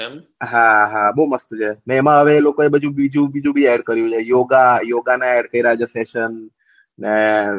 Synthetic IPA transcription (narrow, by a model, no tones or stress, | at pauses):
ɦaɦabəuməst̪ut͡ʃʰeneːmãɦəʋelokoebəd͡ʒʱũbid͡ʒʱũbid͡ʒʱũbʱiɛɽkəɾjũt͡ʃʰejoɡajoɡanaɛɽkəiɾad͡ʒəseʃən | ne